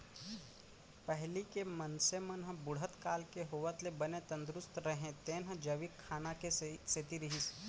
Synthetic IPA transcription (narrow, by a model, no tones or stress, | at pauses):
pəɦlikemənsemɐnɦə̃bʊɽɦət̪kaːlkeɦoːʋət̪lebənet̪ɐ̃nd̪ɾʊst̪ɾəɦẽt̪eːnɦə̃d͡ʒɐʋikʰːaːnakeset̪iɾiɦis